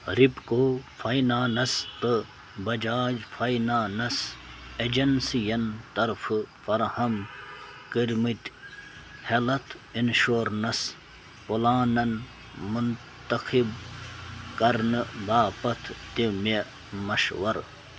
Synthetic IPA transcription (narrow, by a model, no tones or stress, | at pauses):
ɾipkoːfʰɐjnaːnɐst̪ɨ | bɐd͡ʒaːd͡ʒfʰɐjnaːnɐsed͡ʑɐnsijɐnt̪ɐɾfɨfɐɾhɐm | kiɾmit̪ | helɐt̪ʰ | inʃoːɾnɐs | polaːnɐn | mun | t̪ɐxib | kɐɾnɨbaːpɐt̪ʰt̪ime | mɐʃwɐɾ